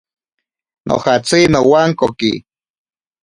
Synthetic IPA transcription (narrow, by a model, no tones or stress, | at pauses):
nʔo̰χat͡sinowaŋkokḭ